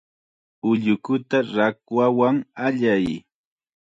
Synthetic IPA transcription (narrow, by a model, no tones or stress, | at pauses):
ʊʎʊkʊt̪aɾakwawaŋaʎaj